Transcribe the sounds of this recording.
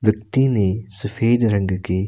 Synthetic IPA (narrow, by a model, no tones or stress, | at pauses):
ʋjɐk̚t̪inesɐfʰeːd̪ɾɐ̃ŋɡkeː